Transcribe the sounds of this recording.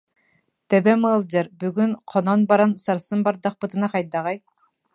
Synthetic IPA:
t̪ebemɯːlˠd͡ʒɯɾbyɡynqʰononbɑɾɑnsɑɾsɯnbɑɾd̪ɑq̚pɯt̪ɯnɑqʰɑjd̪ɑʁɑj

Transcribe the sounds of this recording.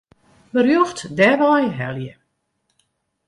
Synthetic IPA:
bərjuxtdɛʋɔjɦɛ̰ljə

